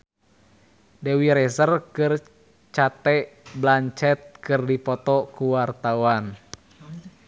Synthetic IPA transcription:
dɛwiɾɛsərkɨr | t͡ʃat̪ɛʔblaɲt͡ʃɛt̪̚kɨrdipɔt̪ɔkuwart̪auan

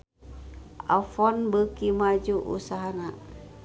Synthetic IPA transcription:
a̰fɔnbəkimad͡ʒuʔṵsaɦana

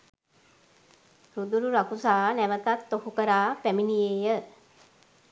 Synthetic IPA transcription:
rud̪uɾuɾakusaːnæʋət̪at̪ːohukəɾaːpæminijeːjə

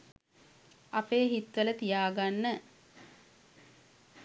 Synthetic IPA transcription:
apeːɦit̪ʋələt̪ijaːɡanːə

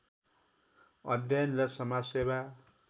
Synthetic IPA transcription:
ʌd̪jʌnrʌsʌmaseba

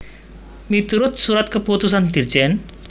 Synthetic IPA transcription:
mit̪uɾot̪suɾɐt̪kɐpot̪us̬ɐnt̪iɾt͡ɕen

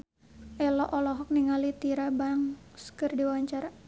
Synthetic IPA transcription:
ʔɛlɔʔɔlɔɦɔk̚niŋalit̪iɾabaŋskɨrdiwaɲt͡ʃaɾa

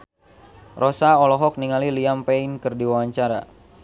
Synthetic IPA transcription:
rɔsaɔlɔɦɔk̚niŋaliliampeinkɨrdiwawaɲt͡ʃaɾa

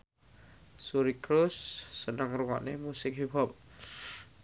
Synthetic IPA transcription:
suɾikɾusːənaŋɾuŋɔʔnimusik̚ɦibʱɔp̚

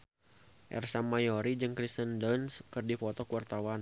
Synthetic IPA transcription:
ʔɛ̰rsamajɔɾid͡ʒɨŋkɾist̪əndənskɨrdifɔt̪ɔkuwart̪awan

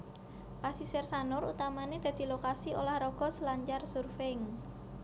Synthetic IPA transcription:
pasisɛrsanʊrut̪amaned̪̥a̤d̪̥i̤lokasiolahrɔɡ̥ɔ̤slaɲt͡ʃarsurfeŋ

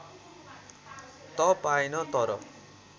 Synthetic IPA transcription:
t̪ʌpajnʌt̪ʌɾʌ̰

